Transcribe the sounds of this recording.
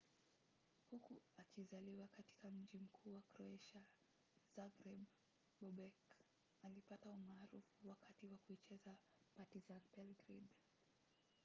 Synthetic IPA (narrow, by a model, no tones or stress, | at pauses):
hukuakizaliwakati̥kam̩ʄim̩kʰuːwakɾɔɛʃa | z̥aɡɾɛb | bɔɓɛk | alipataumaːɾufuwakatiwakuit͡ʃɛza | patizanpɛlɡɾid